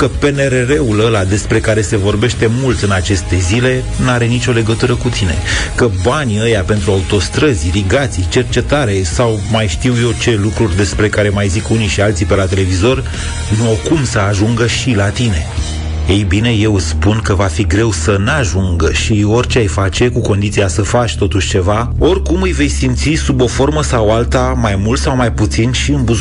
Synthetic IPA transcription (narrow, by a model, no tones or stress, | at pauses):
kəpe̞ne̞ɾe̞ɾe̞uləlad̪e̞spɾe̞kaɾe̞se̞vo̞rbe̞ʃt̪e̞mult̪ɨnat͡ʃe̞st̪e̞zile̞ | nuaɾe̞nit͡ʃʲo̞le̞ɡət̪uɾəkut̪ine̞̰kəbanʲiəjape̞nt̪ɾuaut̪o̞st̪ɾəzʲɾiɡat̪sijt͡ʃe̞rt͡ʃe̞t̪aɾe̞sawmajʃt̪iwje̞wt͡ʃe̞lukɾurʲd̪e̞spɾe̞kaɾe̞majzikuniʃialt̪sipe̞lat̪e̞le̞vizo̞r | nuokumsəaʒuŋɡəʃilat̪ine̞ | ejbine̞je̞wɨspunkəvafiɡɾe̞wsənaʒuŋɡʃio̞rʲt͡ʃeajfat͡ʃe̞kuko̞nd̪it̪siasəfat͡ʃʲt̪o̞t̪uʃt͡ʃe̞va | o̞rkumɨjve̞jsimt̪sisubo̞fo̞rməsawalt̪amajmult̪sawmajput̪sinʃiɨmbu